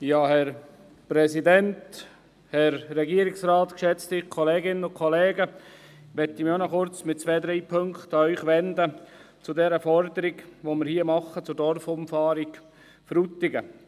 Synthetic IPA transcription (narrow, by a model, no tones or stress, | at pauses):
jɑːhɛɾ | pɾɛsidɛnt | hɛɾːɛɡiəɾɪksrɑːt̪kʃɛt͡st̪ɪχkʰɔleːɡɪnənʊkʰɔleːɡə | ʋɛt̪imjonɔχʊɾt͡smɪt̚t͡sʋɛːd̪ɾiːpʰøŋkt̪ɑœʏχʋɛnd̪ə | t͡sʊdɛɾəfɔɾd̪əɾiɡʋomɪɾhiːəmɑχːət͡sʊɾdɔrfʊmfɑːɾik | fɾut̪ːɪɡə